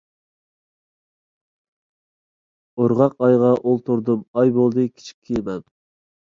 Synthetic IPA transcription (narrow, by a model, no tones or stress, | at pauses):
oɾʁɑqɑjʁɑʔolˠt̪ʰuɾd̪ɨmɑjbolˠd̪ɨkʲʰi̥t͡ʃʰi̥kʲʰːimɛm